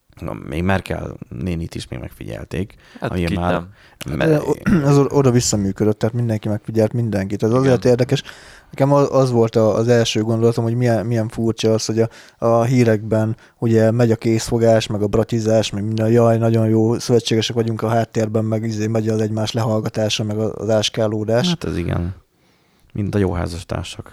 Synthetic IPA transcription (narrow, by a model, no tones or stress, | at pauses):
mʔḛːɡmarkɛ̰lneːnit̪iʃmḛɡmʔɛ̰kfḭɟɛ̰lt̪ḛːk | miaː | ɛzoʔod̪ɒvisːɒmyːkød̪øt̪ːɛaːt̪mind̪ɛŋkimɛkfiɟɛlt̪mind̪ɛŋkit̪ɛzɒzeːrt̪eːrd̪ɛkɛʃnɛkɛmɒʔɒzʋo̞lt̪ɒːzɛlʃøːɡo̞nd̪olɒt̪omɦo̞ɟmiɛnmijɛɱfurt͡ʃɒːsho̞ɟɒ | ɦiːɾɛɡ̚bɛn | uɟɛmɛɟɒkeːsfo̞ɡaːʃmɛɡɒbrɒt̪izaːʃmɛɡmind̪ɛjɒjnɒɟo̞njoːsøvɛt͡ʃːeːɡɛʃɛkʋɒɟuŋkɒɦaːt̪ːeːrbɛmːɛɡizeːmɛɟɒzɛɟmaːʃlɛɦɒlɡɒt̪aːʃɒmɛɡɒ̰zaːʃkaːloːd̪aːʃt̪ɛ̰zḭɡɛ̰n | mint̪ɒjo̰ːɦa̰ːzɒʃt̪a̰ːʃok